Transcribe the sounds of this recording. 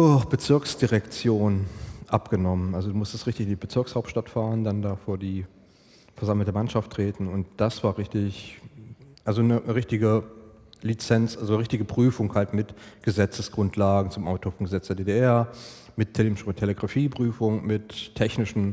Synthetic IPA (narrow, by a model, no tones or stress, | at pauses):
dɔɐxb̥ət͡sɪɐksd̥iʁɛkt͡sjoːnʔapɡ̥ənɔmənʔalzoduːmʊstəstʁɪçtɪçɪndibət͡sɪɐkshaʊp̚tʃtatfaːʁəndandaːfoːɐdiː | fɛɐzaml̩təmanʃaftʁ̥eːtn̩ʊnt̚d̥asv̥aːɐʁɪçtɪç | ʔalzonəəʁɪçtɪɡə | lit͡sɛnt͡sʔalzonəʁɪçtɪɡəpʁ̥yːfʊŋhaltmɪtɡ̥əzɛt͡səsɡ̥ʁʊntʰlaːɡŋ̩t͡sʊmʔaʊtʰoːfɔŋɡəzɛt͡sd̥eːɐdeːdeʔɛɐ | mɪtʰeɪtʰːeleɡʁafiːpʁ̥yːfʊŋmɪttʰːɛçnɪʃn̩